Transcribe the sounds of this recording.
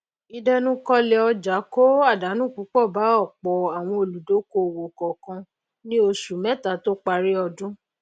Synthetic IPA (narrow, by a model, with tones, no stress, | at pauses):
i˧dɛ˧nũ˦kɔ˦lɛ˧ɔ˧d͡ʒa˨˦ko˦a˦˨da˨˦nũ˦˨ku˨˦k͡pɔ˦˨ba˨˦ɔ˦˨k͡pɔ˨a˨w̃ɔ̃˧o˨lu˨do˨˦ko˧˨wo˨kɔ˨kã˧ | nĩ˦o˧su˨mɛ̃˨˦ta˨to˦k͡pa˧ɾi˦ɔ˧dũ˦